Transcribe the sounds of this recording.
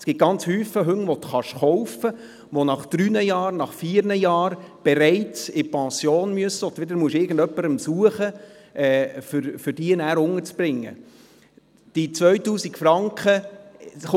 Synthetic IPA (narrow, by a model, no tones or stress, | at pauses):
sɡ̥ɪt̪̚ɡ̥ɑnt͡shyːfəɦɵŋːʋɔt̪χɑʃχɔwfə | ʋonɑχd̪̥ɾynəjɑːɾnɑχfiːɾnəjɑːɾ | b̥ɛɾɛɪt͡sɪpʰɑ̃sjoːnmyəsəɔt̪ʋɪd̪əɾmuəʃɪɾɡən̩d̪œpːəɾəmsuəχə | ʔɛːfʏɾfʏɾd̥iənæːɾʊŋəɾt͡sb̥ɾɪŋːə̰ | d̥it͡sʋœɥt̪uːsikfrɑŋkχə | χ